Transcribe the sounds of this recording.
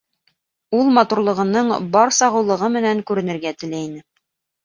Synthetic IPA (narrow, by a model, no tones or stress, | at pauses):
ulˠmɑt̪uɾlˠɤ̆ʁɤ̆nɤɴbɑɾsɑʁɤ̆wlˠɤ̆ʁɤmɘ̆næŋkʉɾɘ̆nɘ̆ɾɡæt̪ɘ̆læinɘ